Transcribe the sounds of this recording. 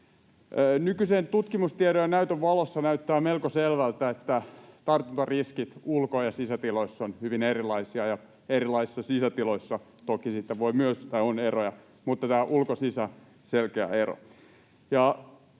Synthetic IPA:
əːnykysent̪ut̪kimust̪ieɾojɑnæyt̪øʋʋɑlosːɑnæyt̪ːæːmelkoselʋælt̪æet̪ːæt̪ɑrt̪unt̪ɑriskit̪ulkojɑsisæt̪iloisːonhyʋinerilˑɑisiɑjɑ | erilˑɑisi̥sːɑsisæt̪iloisːɑ | t̪okisit̪ːeʋoimyøst̪ːæonerojɑ | mut̪ːɑt̪æːʔulkosisæ | selkeæ̰ero̰ | jɑ

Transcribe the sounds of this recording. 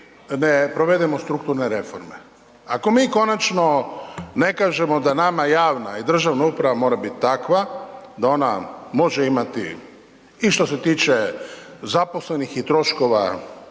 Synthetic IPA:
nepɾo̞ʋe̞d̪ɛmost̪ɾukt̪uɾneɾe̞fo̰ɾmḛ | ako̞miːko̞nat͡ʃno̞ne̞kaːʒe̞mo̞d̪anamajaːʋnaid̪r̩ʒaʋnaupɾaʋamo̞ːɾabit̪t̪akʋad̪ao̞na̰mo̞ʒeimat̪ḭ | iʃt̪o̞se̞t̪iːt͡ʃezapo̞slenixit̪ɾo̞ʃko̞ʋa̰

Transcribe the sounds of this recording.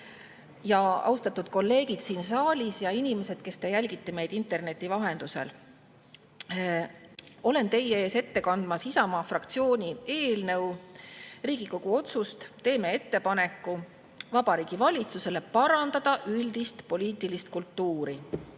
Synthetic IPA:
jɑɑ̰wst̪ɑt̪ːud̪̥̚ko̞lːe̞ːɡid̪̥siːnsɑːlʲisjɑinʲime̞se̞d̪̥ke̞st̪ejælʲɡit̪ːˑeme̞jd̪int̪ːˑe̞rne̞t̪ːˑivɑɦe̞nd̪use̞̰l | o̞le̞nt̪e̞jeeːse̞t̪ːe̞kɑnd̪mɑsisɑmɑːfrɑkt̪sio̞ːnʲie̞ːlnɤ̞w | riːɡ̥iko̞ɡ̥uo̞t̪sust̪t̪e̞ːme̞e̞t̪ːe̞pɑne̞kːˑu | vɑbɑɾiːɡ̥ivɑlʲit̪suse̞le̞pɑɾɑnd̪ɑd̪̥ɑʔylʲd̪ist̪po̞lʲiːt̪ˑilist̪̚kult̪ːuːɾi

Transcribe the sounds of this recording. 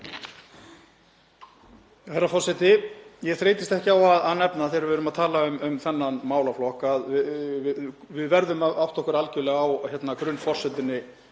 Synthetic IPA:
θɛɾːafɔr̥sɛt̪ɪjɛɣθɾeːjt̪ɪst̪ɛhcɪawaðaðnɛpnaθeɾvɾʏmaðt̪ʰaːlaʏmʏmθɛnːanmaːwlaflɔhkaðɪvɪvɪðvɛɾðʏmaawht̪ɔhkʏɾalcʏlɛɣawçɛt̪nakɾʏnfɔr̥sɛt̪ɪnːɪ

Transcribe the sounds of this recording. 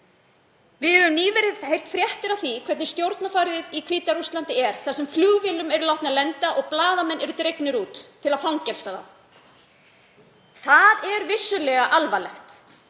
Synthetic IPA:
vɪðɛɾʏmniːvɛɾɪðhejl̥t̪fɾjɛht̪ɪɾaθikʰvɛt̪nɪ̥st̪jowɾt̪nafaːɾɪðɪðikʰviːt̪aɾust̪lant̪ɪɛɾ̥θasɛmfluːɣvɪlʏmɛɾʏlawht̪nalɛnt̪aʔɔɣplaːðamɛnːɛɾʏt̪ɾejknɪɾuːt̪ʰːɪlafawŋcɛlsaða̰ | θaðɛɾvɪsːʏlɛɣaʔalvalɛxt̪

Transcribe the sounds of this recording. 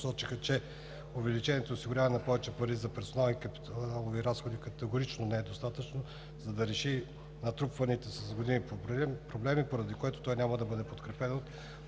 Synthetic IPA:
sɔt͡ʃixət͡ʃɛ | ovɛlit͡ʃɛniɛt̪oːsiɡʊɾʲavɛnɐpɔvɛt͡ʃɛpɐɾizɐpɛɾsonalˠnikɐpilˠoviɾasxod̪ikɐt̪ɛɡoɾit͡ʃnonɛɛd̪ost̪at̪ət͡ʃno | zɐd̪ɐɾɛʃi | nɐt̪ɾupvɐnit̪ɛsɐzɡod̪inipobɾɛmpɾoblɛmipoɾɐd̪ikoɛt̪o̥t̪ɔjnʲamɐd̪ɐbɤd̪ɛpot̪kɾɛpɛnot̪

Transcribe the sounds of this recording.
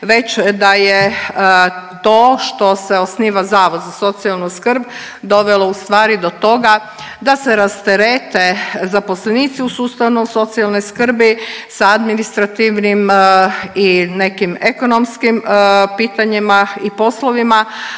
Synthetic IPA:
ʋe̞t͡ɕd̪aje | t̪o̞ːʃt̪o̞seo̞sniːʋazaːʋod̪zaso̞t̪sialˠnuskr̩b | d̪o̞ʋelo̞ust̪ʋaːɾid̪o̞t̪o̞ɡa | d̪ase̞ɾast̪e̞ɾeːt̪e̞zapo̞sleniːt̪siusuːst̪aʋnoso̞t̪sialno̞jskr̩bisaad̪minist̪ɾat̪iʋnim | ine̞kimeko̞no̞mskimpiːt̪aɲimaipo̞slo̞ʋima

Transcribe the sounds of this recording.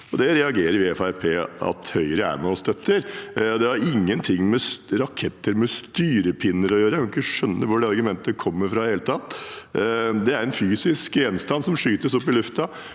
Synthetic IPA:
ɔd̪ɛɾɛɑɡeːɾəɾʋɪɛfææɾpʰeːɑ̰t̪hœʏəɾəæ̰ɾmɛɔsd̪œt̪ʰːəɾd̪ɛæɾɪŋːənt̪ʰɪŋːmɛsɾɑkʰɛt̪ːəɾmɛst̪yːɾəpʰɪnːəɾɔjøːɾəjækʰɑɪkːəʂœnːəʋʊɖɛɑɾɡʉmɛnt̪əkʰɔmːəɾfɾɑd̪ɛheːlət̪ʰɑt̪ː | d̪ɛæɾɛnfyːsɪskjɛnst̪ɑnsɔmʂyːt̪əsɔpːɪlʉft̪ɑ

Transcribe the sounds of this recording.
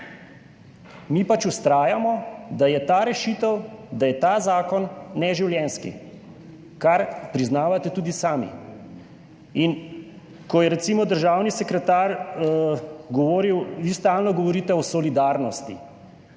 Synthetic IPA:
miːpat͡ʃust̪ɾaːjamɔd̪ajɛt̪aːɾɛʃiːt̪əwd̪ajɛt̪aːzaːkɔnːɛʒiwljɛnskḭ | kaɾpɾiznaːʋat̪ɛt̪uːd̪isaːmḭ | in | kɔjɛɾɛt̪siːmɔd̪əɾʒaːwnisɛkɾɛt̪aɾ | ɡɔʋɔːɾiwʋist̪aːlnɔɡɔʋɔɾiːt̪ɛɔsɔlid̪aɾnɔst̪ḭ

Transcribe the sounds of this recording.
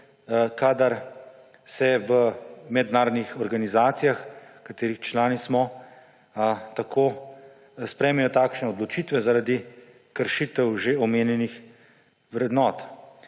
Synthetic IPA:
kaːd̪aɾ | sɛʋəmɛd̪naːɾɔd̪nixɔɾɡanizaːt̪sijaxkat̪eːɾixt͡ʃlaːnismɔ | t̪akʰoː | spɾɛjmɛjɔt̪aːkʃnɛɔd̪lɔt͡ʃit̪ʋɛzaɾad̪i | kəɾʃit̪əwʒeɔmeːnjɛnix | wɾɛd̪nɔːt̪

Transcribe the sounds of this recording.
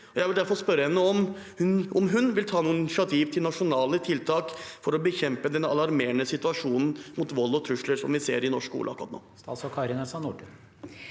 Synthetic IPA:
ɔjæɪʋɪld̪æɾfɔɾspœɾəhɛnːəɔmhʉnʔɔmɦʉnʋɪlt̪ʰɑːnuːnɪʂɑt̪ʰiːʋt̪ʰɪlnɑʂʊnɑːlət̪ʰɪlt̪ʰɑːkfɔɾɔbəçɛmpəd̪ɛnɑ̰lɑɾmeːɳəsɪt̪ʉɑʂuːnn̩mut̪ʋɔlːɔt̪ʰɾʉʂləɾsɔmʋɪsḛːɾɪnɔʂkṵːlʔɑkːɾɑt̪no̰ːst̪ɑ̰sɔkʰɑɾɪnɛsɑnuɖə

